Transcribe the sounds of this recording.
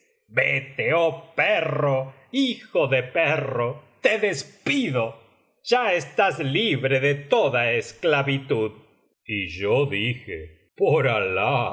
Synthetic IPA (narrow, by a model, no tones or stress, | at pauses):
bet̪eopero | ixoðeperot̪eðespiðo | ʒ̥aest̪azliβɾeðet̪oðaesklaβit̪uð | iʒoðixḛ | poɾala